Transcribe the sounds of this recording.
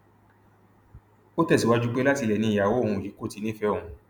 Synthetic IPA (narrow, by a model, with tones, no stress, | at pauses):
o˦tɛ˦˨si˨wa˧d͡ʒu˦k͡pe˦la˦ti˧lɛ˨nĩ˧i˨ja˨wõ˨˦˨ũ˧˨ji˨˦ko˦˨ti˨˧˦nĩ˦fɛ˦ɔ̃˦˨ũ˧